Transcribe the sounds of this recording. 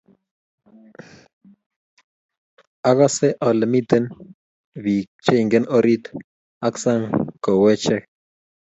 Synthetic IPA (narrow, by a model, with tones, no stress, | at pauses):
a˦ɣa˦sɛ˦ʔɔ˨lə˨mi˦t̪ə˦n | βi˨kt͡ʃe˦i˨ŋɡə˦no˦ɾi˦t̪ | a˦ksa˦ŋko˨wɛ˦t͡ʃɛ˦k